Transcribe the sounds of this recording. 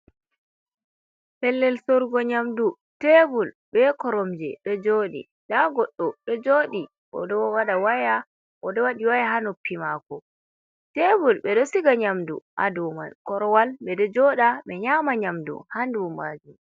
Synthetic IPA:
pɛlːɛlsoɾɡɔɲamdu | tɛbulɓbɛkɔɾɔmd͡ʒɛ̰ɗɔd͡ʒoɗḭ | ɗaɡɔɗːɔɗɔd͡ʒoːɗi | ɔ̰dɔwaɗawaja | ʔɔdɔwaɗiwajaɦanopːimakɔ | tɛbulɓɛɗɔsiɡaɲamdṵʔa̰dɔma̰nkɔɾɔwalɓɛdɔd͡ʒɔɗaɓɛɲamaɲamdṵhandubumbaːd͡ʒum

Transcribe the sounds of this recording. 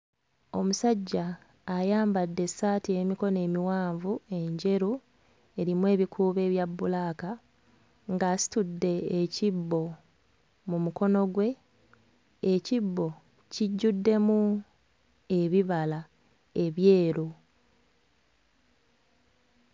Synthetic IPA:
o̞musaɟːaː | jaːmbadːe̞saːtie̞miko̞ne̞ːmiwaːɱvue̞ɲɟe̞ɾu | e̞ɾimwe̞ːβikʰuːβe̞ːβjabːulaːka | ŋɡaːsi̥tudːe̞ːcibːo̞ | mumuko̞no̞ɡwe̞ | cibːo̞ | ciɟːudːe̞mu | e̞βiβala | e̞βje̞ːɾu

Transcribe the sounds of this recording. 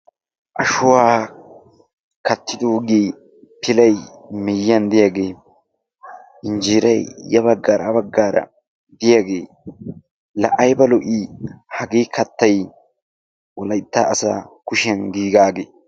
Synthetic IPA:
ʔɐʃʊwaː | kɐt̪ːɪd̪oːɡiː | pʰɪlɐjmɛjɐnd̪ɪjaɡe̞ː | ɪnd͡ʒiːɾɐjjɐbɐɡːaːɾɐbɐɡːaːɾɐ̰ | d̪ɪjaɡeː | lɐ̰ʔɐjbɐlɔʔihɐɡiːkʰɐt̪ːɐj | wɔlɐɪt̪ːaːɐsa̰ːkʊʃɪɐnɡiːɡaːɡeː

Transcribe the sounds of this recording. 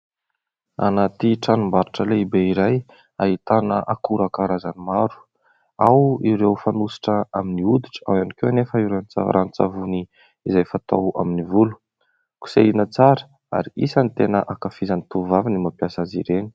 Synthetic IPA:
a̰nat̪iʈ͡ʂanumbaɾaʈ͡ʂəleibeiɾaj | ait̪anə̰ʔakuɾakaɾazanimaɾu̥ | awiɾewfanusi̥ʈ͡ʂəaminiud̪iʈ͡ʂə̥awanikeanefəiɾent͡sa̰ɾʔanit͡sa̰vuni | izajfat̪a̰wa̰minivulu̥ | ku̥seinət͡saɾə̥ | a̰ɾiisənt̪enəʔakafizanit̪uvavinimapjasazḭɾeni̥

